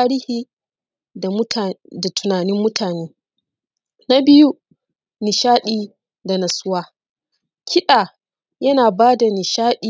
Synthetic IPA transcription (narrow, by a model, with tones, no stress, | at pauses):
ɾiː˦hiː˦ | a˨˦da˨tʰʊ˨naː˨nɪ˦mːʊ˦tʰaː˨neː˦ | na˦bɪ˦ju˦ | nɪ˨ʃaː˦ɗiː˨ | da˨nɐ˨sʊ˦waː˦ | kʲʰɪ˦ɗaː˨ | jɐ˦naː˨baː˦da˨nɪ˨ʃaː˦ɗiː˦˨